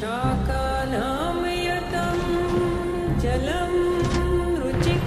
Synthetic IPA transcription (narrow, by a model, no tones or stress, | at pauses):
aːkaː | naː | m | jɐt̪ɐm | d͡ʒɐlɐm | ɾut͡ʃik